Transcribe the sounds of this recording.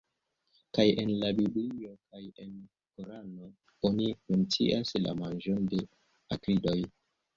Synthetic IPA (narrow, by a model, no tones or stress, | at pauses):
kaje̞nlabiblio̞kaje̞n | koɾano̞ | onikunt͡sḭʔasla̰mand͡ʒonde̞ | akɾido̞j